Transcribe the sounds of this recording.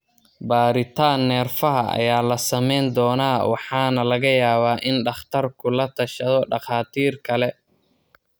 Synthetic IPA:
baːɾɪt̪ʰaːnːɛːrfɐɦɐʔɐ̰jaːlɐsɐmɛjnd̪ɔːnaːwɑħɑːnɐlɐɣɐjaːβaːʔɪnɖɑχt̪ʰɐrkʰʊlɐt̪ʰɐʃɐðɔɖɑχaːt̪ʰiːrkʰɐlɛ

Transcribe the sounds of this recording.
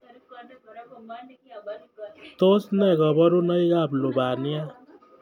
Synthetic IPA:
t̪osnɛɡʌbʌɾunʌjɡablobanija

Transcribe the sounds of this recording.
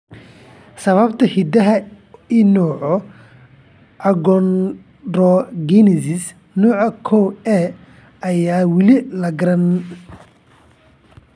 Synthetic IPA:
sɐβɐbt̪ʰɐhid̪ɐɦɐ | ɪnɔːʕɔ | ɐɡɔn | dɔɡɛnɪsɪs | nɔːʕɑkʰɔɛ | ɐjaːwɪlɪlɐɡɐɾɐn

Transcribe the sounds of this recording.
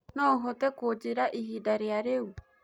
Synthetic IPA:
nɔɦot̪ekod͡ʒeɾaʔiɦidaɾeaɾeu

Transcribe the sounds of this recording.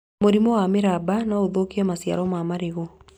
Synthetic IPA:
moɾimɔwameɾabanaoðokiɛmasja̰ɾɔmamaɾeɣɔ

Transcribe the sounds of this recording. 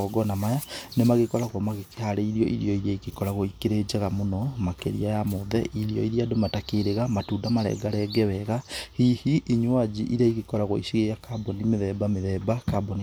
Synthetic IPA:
ɔɡɔnamajanemaɣekɔɾaɣwɔmaɣekeaɾeiɾiɔʔḭɾiɔiɾiaikekɔɾaɣoikeɾed͡ʒaɣamonɔmakḛɾḭajamoðɛ̰ʔiɾiɔ̰iɾiadomatakeɾeɣamatuːdamaɾɛ̰ɡaɾɛɡɛwɛɣahihiʔːɲwad͡ʒiʔiɾaiɣekɔɾaɣo̰ḭʃiɣeakabɔnimeðɛbameðɛbakabɔni

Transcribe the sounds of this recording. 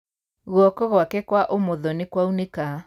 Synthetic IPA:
ɣwɔkɔɣwakɛkwaʔomoðɔnekwauneka

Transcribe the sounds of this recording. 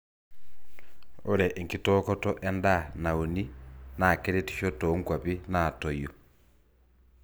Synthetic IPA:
oɾɛʔeŋkitɔkɔtɔʔɛndanaoninakeɾeti̥ʃɔtoŋɡwapinaːtɔjo

